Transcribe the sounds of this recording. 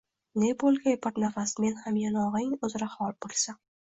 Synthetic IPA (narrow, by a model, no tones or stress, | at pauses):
nebolˠɡʲajpʰaɾt̪nafasme̞nhamjanɒʁɪŋɵzɾahɒlˠbolˠsa